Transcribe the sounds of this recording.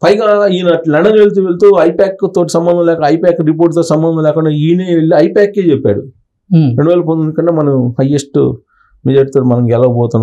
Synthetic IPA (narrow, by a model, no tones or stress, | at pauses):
pɐjɡaːiːnɐlɐɳɖɐnelt̪̬uʋelit̪oːɐjpaːkːt̪oːʈ̬i̥sɐmbɐnd̪ʱɐmlɛːkɐɐɐjpaːkɾip̬oːɾʈt̪̬oːʈisɐmbɐnd̪ʱɐmlɛːkuɳɖaːiːneːeɭːiɐjpaːkːeːt͡ʃepːa̰ːɾṵ | eɳiʋaːlip̬ond̪inikɐɳːeːmɐnɐmhɐjesʈṵ | med͡ʒaːʈt̪oːʈimɐnɐmɡɛlɐʋɐbɔːt̪unː